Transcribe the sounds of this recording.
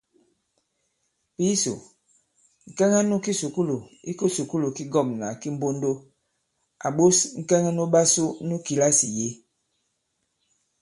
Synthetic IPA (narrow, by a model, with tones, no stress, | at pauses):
pi˦so̰˨ | ŋ̩˨kɛ˦ŋa˦nu˦ki˦su˨ku˦lu˨i˦ko˦su˨ku˦lu˨ki˦ɡɔ˦˨mna̰˨ki˦m̩˦bo˦ndo˦ | a̰˨ɓo˦sŋ̩˦˨kɛ˦ŋa˦nu˦ɓa˦su˦nu˦ki˨la˦si˨je˦